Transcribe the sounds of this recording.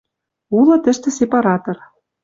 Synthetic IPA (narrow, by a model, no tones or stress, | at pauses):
ulɤ̆t̪ɘ̆ʃt̪ĕsepɑɾɑt̪ɤ̆r